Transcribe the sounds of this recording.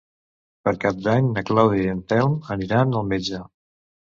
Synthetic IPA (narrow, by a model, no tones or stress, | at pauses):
pəɾkap̚d̪aɲnəklawðiənt̪ɛlˠməniɾanəlˠmed͡ʒa